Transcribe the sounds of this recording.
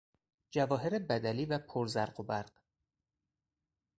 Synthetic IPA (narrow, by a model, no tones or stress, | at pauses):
d͡ʒævɒːɦeɾebæd̪æliːvæpʰoɾzæɾɢobæɾɢ̥